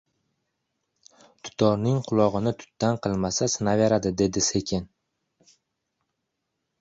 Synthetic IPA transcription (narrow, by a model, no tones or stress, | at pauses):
t̪ʰʊ̥t̪ʰɒɾnɪŋqʰʊlˠɒʁɨnɪt̪ʰʊ̥t̪ːanqʰɨlˠmasasɪnaveɾad̪ɪd̪e̞d̪ɪse̞kʲʰɪn